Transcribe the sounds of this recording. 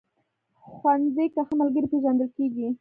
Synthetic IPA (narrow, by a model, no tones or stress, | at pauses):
xwanzekaxəmalɡəɾipeʒand̪əlkeɡi